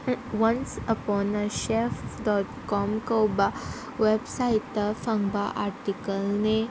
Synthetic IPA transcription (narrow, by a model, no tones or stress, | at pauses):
ʋənsəpɔnəɕefɖɔt̪kɔmkəwba | ʋebsait̪əfãŋɡbaʔaɾʈikəlne